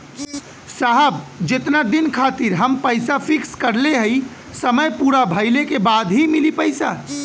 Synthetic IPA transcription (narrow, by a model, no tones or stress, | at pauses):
saɦəbd͡ʒet̪nad̪inkʰat̪iɾɦəmpəjsapʰikskəɾleɦəj | səməjpuɾabʱəɪlekebad̪ɦimilipəjsa̰